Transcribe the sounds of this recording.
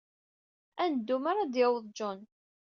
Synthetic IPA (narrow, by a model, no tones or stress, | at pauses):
ænd̪ːumaɾɑd̪jəwðˤd͡ʒʊn